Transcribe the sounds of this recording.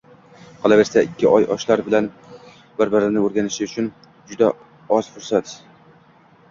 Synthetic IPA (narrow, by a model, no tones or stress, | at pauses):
qʰɒlˠave̞ɾsaɪkʲʰːɪʔɒjʔɒ̰ʃlaɾbɪlan | bɪɾbɪɾɪnɪoɾɡʲanɪʃɪʊt͡ʃʰʊn | d͡ʒʊd̪a | ɒz̥fʊɾsat̪